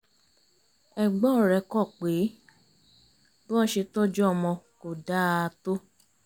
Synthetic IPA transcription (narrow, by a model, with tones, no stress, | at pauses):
ɛ˨ɡ͡bɔ˦˨ɾɛ˧˨kɔ˦˨k͡pe˨˦ | bɔ˦ɔ˦˨ʃe˧tɔ˦d͡ʒɔ˦˨mɔ̃˧ko˨da˦˧to˦